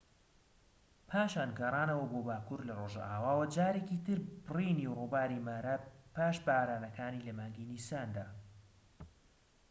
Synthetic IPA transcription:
pʰaːʃaːnɡɐrˤaːnɐwɐboːbaːkuɾlɐroːʒa̰ʔaːwaːwɐd͡ʒaːɾecit̪ɨɾbɨriːniːrubaːɾimaːɾapaːʃbɐaːɾaːnɐkaːnilɐmaːŋɡinisaːnd̪aː

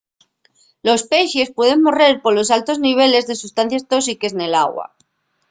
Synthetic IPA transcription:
lo̞spejʃe̞spwe̞ð̞e̞ŋmo̞re̞ɾpo̞lo̞s̬alt̪o̞zniβ̞e̞le̞zðe̞sust̪an̟θjest̪o̞s̬ikezne̞la̰ɣwa̰

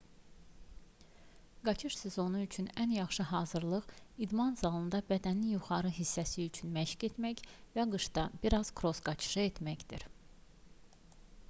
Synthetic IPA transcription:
ɡɑt͡ʃʰɯʃsezo̞nuyt͡ʃʰynænjɑχʃɯɦɑːzɯɾlˠɯʁid̪mɑnzɑlˠɯnd̪ɑbæd̪æninjuχɑɾɯɦisːæsiyt͡ʃʰynmæʃcet̪mæçvæɡɯʃd̪ɑbiɾɑz̥kʰɾo̞sɡɑt͡ʃʰɯ̥ʃɯe̞t̪mæçd̪iɾ

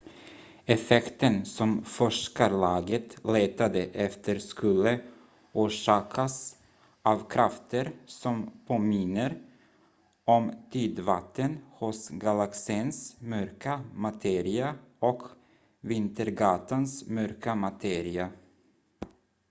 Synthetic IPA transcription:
ɛfɛkt̪ənsɔmfɔʂkalɑːɡət̪leːt̪ad̪əʔɛft̪ʰəɾskɵlːə | uːʂɑːkʰas | ʔavkʰɾaft̪ʰəɾsɔmpʰoːmɪnːəɾ | ɔmt̪ʰyːd̪vat̪ʰːənhʊsɡalaksiːnsmœɾkamat̪ʰeːɾɪaɔk | vɪnt̪əɾɡɑːt̪ʰansmœɾkamat̪ʰeːɾɪa

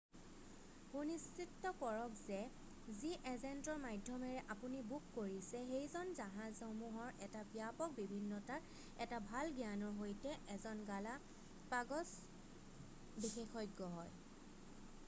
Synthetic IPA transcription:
punistɹitːɔkɔɹɔkzɛ | ziʔɛzɛntɔɹmajdʱːɔmɛɹɛʔapunibukːoɹisɛxejzɔnzaɦazxomuɦɔɹʔɛtapiapɔk̚bibʱinːɔtaɹ | ɛtabʱalɡijanɔɹɦojtɛʔɛzɔnɡala | paɡɔs | bixexʰɔjɡːɔɦɔj

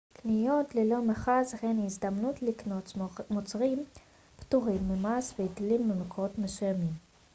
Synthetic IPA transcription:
knijo̞tlelo̞meχazhenizd̪amnutliknot͡smot͡sʁim | ptuʁimːemasveidilimːemekoʁot̪mesujamim

